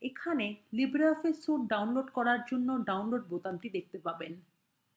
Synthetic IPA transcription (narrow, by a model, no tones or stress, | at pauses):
ekʰanelibɾeɔfesoʈ̚ɖawnloɖkɔɾaɾd͡ʑonːoɖawnloɖ̚bot̪anʈid̪ek̚ʰt̪epaben